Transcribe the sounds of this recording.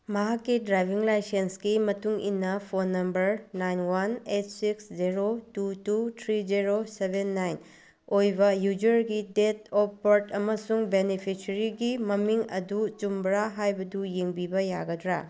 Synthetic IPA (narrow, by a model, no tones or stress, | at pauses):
mɐɦakːidɾajbʱiŋlajsensɡimɐtuŋḭnːɐpʰonːɐmbɐɾnajnwanet̚siksd͡ʒiɾotututʰɾid͡ʒiɾosebʱenːajn | ojbɐjud͡ʒɐɾɡidetopːoɾtɐmɐsuŋbenipʰisɐɾiɡimɐmiŋɐ̰dut͡ʃumbɾaɦajbɐdujeŋbibɐjaɡɐdɾa̰